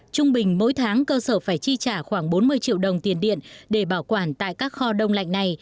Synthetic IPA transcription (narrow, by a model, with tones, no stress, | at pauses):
t͡ɕʊ˧ŋ͡mɓï˨˩ŋ̟mo̰˧˥jt̪ʰaː˨˦ŋkəː˧səː˧˩faː˧˩jt͡ɕi˧t͡ɕaː˧˩xwaː˧˩ŋɓo˨˦nmɨ˧əjt͡ɕḭ˧˨əwɗə˨˩wŋ͡mt̪i˨˩ənɗḭ˧˨ənɗe˧˩ɓaː˧˩wkwaː˧˩nt̪a̰ː˧˨jkaː˦˥k̚xɔ˧ɗə˧wŋ͡mla̰˧˨jŋ̟na˨˩j